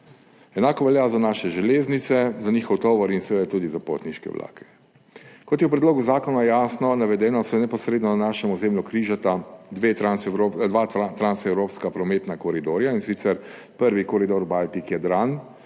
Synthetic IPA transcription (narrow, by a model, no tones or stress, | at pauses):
ɛnaːkɔʋɛljaːzanaːʃɛʒɛleːznit̪sɛzaniːxɔwt̪ɔːʋɔɾinsɛjɛt̪uːd̪izapo̰ːt̪niʃkɛ̰ʋlʔa̰ːkʰɛ̥ | kɔt̪jɛwpɾɛd̪loːɡuzaːkɔnajasnɔnaʋɛd̪ɛːnɔsjɛnɛpɔsɾeːd̪nɔnanaːʃɛmɔzeːmlukɾiːʒat̪ad̪ʋet̪ɾansɾod̪ʋat̪ɾansɛwɾoːpskapɾɔmeːt̪nakɔɾid̪oːɾjainsit̪sɛɾ | pəɾʋikɔɾid̪oɾbalt̪ikjɛd̪ɾan